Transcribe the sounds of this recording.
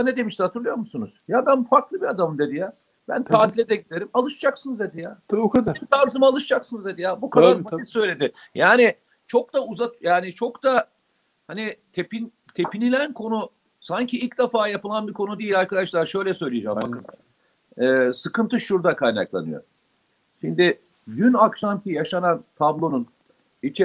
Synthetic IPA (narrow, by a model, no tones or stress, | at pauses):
ned̪e̞miʃt̪ɛhat̪ɯɾlˠɯjo̞ɾmusunuz̥jabænfaɾklˠɯbiad̪amɯmd̪e̞d̪ijaː | bænt̪ʰaːt̪ʰilʲed̪ɛɟid̪e̞ɾimalˠɯʃd͡ʒaksɯnɯzd̪ed̪ijaːad̪t̪ʰaɾzɯmaːlˠɯʃd͡ʒaksɯnɯzd̪ed̪ijaːbukʰaaɾmisø̞jlʲe̞d̪ɪ | jaːnɪ | t͡ʃʰo̞k̚d̪auzat̪jaːnit͡ʃʰo̞kd̪a | hanit̪ʰe̞pin | t̪ʰe̞pinilʲænkʰo̞nʊ | saɲcʰiilʲcd̪efaːjapɯlˠanbikʰo̞nud̪ijilʲaɾkad̪aʃlˠaɾʃø̞jlʲɛsø̞jlʲijid͡ʒamak | ɛːsɯkɯnt̪ʰɯʃːuɾd̪akʰajna̰klˠa̰nɯ̰jo̰ɾ | ʃind̪ɪ | ɟynakʃamtijaʃanant̪ʰablˠo̞nun | it͡ʃʰe